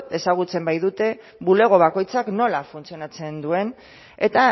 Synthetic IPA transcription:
e̞saɣ̞ut͡se̞mbajðut̪e̞ | βule̞ɣ̞o̞β̞ako̞jt͡sakno̞lafunt͡sio̞nat͡se̞nd̪ue̞n | e̞t̪a

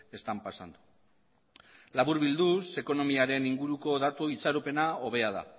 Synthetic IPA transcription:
e̞st̪ampasand̪u | laβuɾβild̪use̞ko̞no̞miaɾe̞niŋɡuɾuko̞ðat̪uit͡saɾupe̞nao̞β̞e̞að̞a̰

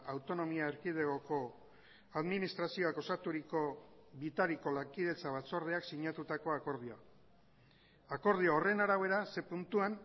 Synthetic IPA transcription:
awt̪o̞no̞miaeɾkiðeɣoko̞ | aðminist̪ɾasio̞ako̞sat̪uɾikoβit̪aɾiko̞laŋkið̞e̞t͡saβat͡so̞ɾðeaksiɲat̪ut̪ako̞ako̞ɾð̞ioa | ako̞ɾð̞ioore̞naɾaβe̞ɾase̞punt̪uan

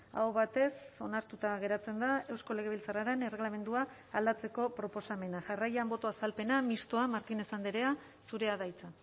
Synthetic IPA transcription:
a̰wβat̪e̞so̞naɾt̪ut̪aɣe̞ɾat͡se̞nd̪ae̞wsko̞le̞ɣ̞e̞β̞ilt͡saraɾe̞ne̞re̞ɣlame̞nd̪uaː | ld̪at͡se̞ko̞pɾo̞po̞same̞naʝarajambo̞t̪oasalpe̞namist̪o̞amaɾt̪ine̞sand̪iɾe̞a | suɾe̞aðajt͡sa

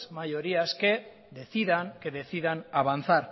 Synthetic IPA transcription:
majoɾiaske̞ | ðe̞θiðaŋkeðe̞θiðanaβ̞anθaɾ

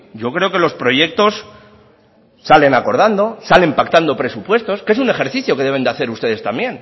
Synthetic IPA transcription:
ɟ͡ʝo̞kɾe̞oke̞lo̞spɾo̞ʝe̞k̚t̪o̞s | ale̞nako̞ɾð̞and̪o̞sale̞mpakt̪and̪o̞pɾe̞supwe̞st̪o̞skeesune̞xe̞ɾθiθjo̞keðe̞βe̞nd̪aθe̞ɾust̪e̞ð̞e̞st̪ambje̞n

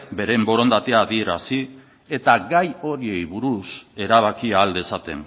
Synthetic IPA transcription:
be̞ɾe̞mbo̞ɾo̞nd̪at̪e̞aːðie̞ɾasi | e̞t̪aɡajo̞ɾie̞jβuɾuse̞ɾaβ̞akiaːld̪e̞sat̪e̞̰n

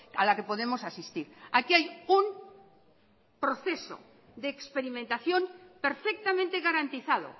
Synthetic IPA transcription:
alake̞po̞ðe̞mosasist̪iɾakiajum | pɾo̞θe̞so̰ | d̪eːkspeɾimẽnt̪aθjo̞mpe̞ɾfek̚t̪amẽnt̪e̞ɣaɾant̪iθaðo̰

